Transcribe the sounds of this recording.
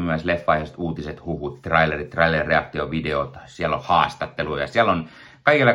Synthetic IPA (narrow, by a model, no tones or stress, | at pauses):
myæslefːɑiheˑst̪uːt̪iset̪huʋut̪t̪rɑilerit̪t̪rɑilerreɑk̚t̪ioʋideot̪siælːo̰hɑːst̪ɑt̪ːelujɑ̰siælːon | kɑikelːɑ